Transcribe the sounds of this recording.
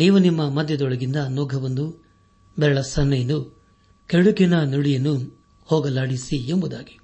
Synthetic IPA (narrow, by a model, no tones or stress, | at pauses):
niːʋunimːɐmɐd̪ʱjɐd̪ɔɭɐɡind̪ɐnoːɡʱɐʋond̪u | bɛɭɐsɐnːɐjɐnːu | keɽukinɐnuɽijɐnːu | hɔːɡɐlaːɽisiembud̪aːɡi̥